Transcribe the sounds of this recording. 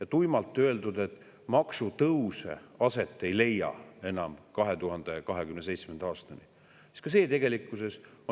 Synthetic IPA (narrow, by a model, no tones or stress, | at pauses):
jɑt̪ujmɑlt̪ˑːø̞e̞ld̪ud̪̥e̞t̪ːˑ | mɑksut̪ɤwsḛɑse̞t̪ːˑe̞jle̞jːɑ̰e̞nɑmkɑɦe̞t̪uɦɑnd̪̥e̞kɑɦe̞kymne̞s̬e̞jt̪sme̞nd̪ɑɑːst̪ɑni | i̥t̪kɑs̬e̞ːt̪e̞ɡe̞likːˑuse̞so